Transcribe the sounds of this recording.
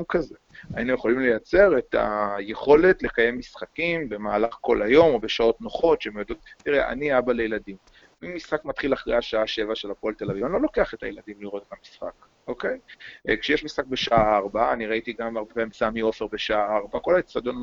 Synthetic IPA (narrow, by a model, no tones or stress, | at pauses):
mkazea̰inujeχo̞limle̞jat͡se̞ʁe̞t̪ʰa̰jeχo̞le̞tle̞kaje̞mːisχakimbe̞maːlaχko̞̰lajo̞mobeʃao̞tno̞χo̞t̪ʃeemjod̪o̞t̪̚tiʁeʔa̰niabalejeladim | imːisχakmat̪χilaχʁa̰jaʃaaʃe̞vaʃelapoaltelavivanlolo̞keaχet̪a̰jelad̪imliʁo̞t̪etamisχa̰k | ʔo̞ke̞jkʃejeʃmisχak̚be̞ʃaaːʁbaːniʁait̪iɡamaʁbepamsaamio̞feʁbe̞ʃaaaʁbako̞laesad̪on